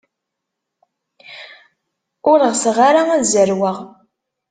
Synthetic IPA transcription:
ʊləʁsʁaɾaæzəɾwəʁ

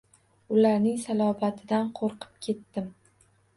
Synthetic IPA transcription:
ʊlaɾnɪŋsalˠɒvat̪ʰɪd̪anqʰoɾqʰɨ̥p̚kʲʰe̞t̪ːɪm

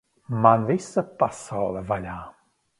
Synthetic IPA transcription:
manvejsəpasɔlˠəvaʎa

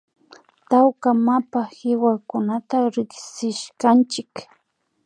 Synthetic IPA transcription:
t̪awkamapahɪwakʊnat̪aɾɪksɪʃkant͡ʃɪk

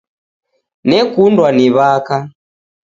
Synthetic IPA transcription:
nɛkundwaniβaka

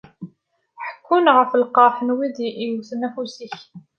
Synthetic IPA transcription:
ħə̥kʰːunʁəfəlqɑħənwiðʔiuθənæfusiç

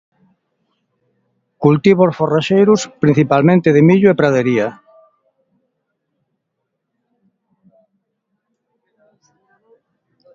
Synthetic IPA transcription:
kult̪iβosforaʃejɾʊspɾin̟θipalmẽnt̪ɪðɪmiʎʊepɾaðeɾia

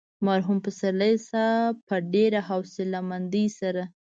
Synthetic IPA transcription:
maɾɦumpəsaɾləjsapəɖeɾaɦawsɪlamand̪isaɾa

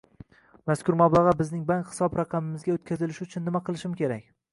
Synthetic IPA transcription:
maskʰʲʊɾmablˠɑʁɑbɪznɪŋbaŋkʲhɪ̥sɒbɾɑqʰɑmɪmɪzɡʲaot̪̚kʲʰazɪlɪʃʊt͡ʃʰʊnːɪmaqʰɨlˠɪʃɪmkʲʰe̞ɾakʲ

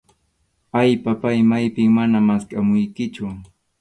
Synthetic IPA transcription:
ajpapajmajpɪŋmanamaskamʊjkɪt͡ʃʊ

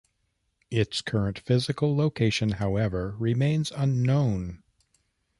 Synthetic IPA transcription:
ɪtskʰɜ˞ɨ̃ntfɪzɨkl̩ˠloʊkʰeɪʃɨ̃nhaʊɛvə˞ɹɪmẽɪ̃nzʌ̃nːõʊ̃n

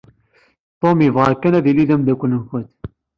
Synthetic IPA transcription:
t̪ˤːomivʁakːænæðiliðæmd̪ækʷːənənfət̪

